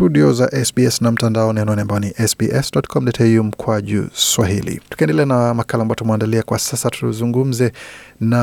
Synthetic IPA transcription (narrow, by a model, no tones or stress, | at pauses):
tuɗiɔzaʔɛsbiɛsnam̩tandaɔnianaɔniambajɔniʔɛsbiʔɛsdɔtkʰɔmdɔtʰɛjum̩kʰwaʄṵswaɦilḭtu̥kaɛndɛlɛanamakalamajɔtumwandaliakwasasatʰuzuŋɡum̩zɛna